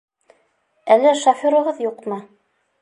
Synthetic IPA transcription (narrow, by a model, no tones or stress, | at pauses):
ælɘʃofʲoɾŏʁɤðjuqmɤ